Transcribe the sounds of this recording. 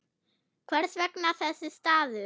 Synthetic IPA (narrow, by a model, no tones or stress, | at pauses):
kʰvɛɾ̥svɛknaθɛsːɪst̪aːðʏ